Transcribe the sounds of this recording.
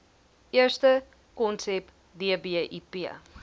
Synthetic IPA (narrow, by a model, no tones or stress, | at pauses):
iərstə | kɔnsɛp | diəbiəʔipi